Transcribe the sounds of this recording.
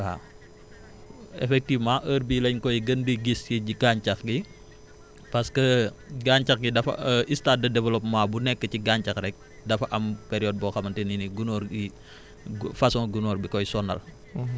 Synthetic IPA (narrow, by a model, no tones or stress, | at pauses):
a̰ | ɛ̰fɛk̚tivmãːʔəɾbilɐɲkɔjɡəndəɡiskiɟiɡaɲcɐxɡi | pɐskəɡaːɲt͡ʃɐxɡidɐfɐ̰ʔistat̚dɐdɛvɐlɔpmaːbunɛkːəciɡaːɲt͡ʃɐkɾɛk̚ | dɐfɐʔɐmpɛɾijɔːd̚bɔːxɐmɐntɛniniɡunɔːɾɡi | ɡfɐsɔɡunɔːɾbikɔjsɔnɐ̰l